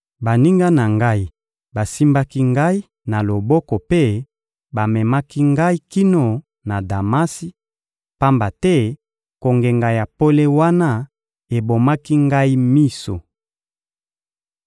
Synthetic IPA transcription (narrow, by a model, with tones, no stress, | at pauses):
ba˨ni˦ŋɡa˦na˨ŋɡa˦i˦ | ba˨si˦mba˦ki˦ŋɡa˦i˦ | na˨lo˨bɔ˦kɔ˨pe˦ | ba˨mɛ˨ma˦ki˦ŋɡa˦i˦ki˦no˨ | na˨da˨ma˦si˦ | pa˦mba˨tɛ˦ | ko˨ŋɡe˨ŋɡa˨ja˨po˦le˦wa˦na˦ | e˨bo˨ma˦ki˦ŋɡa˦i˦mi˦so̰˨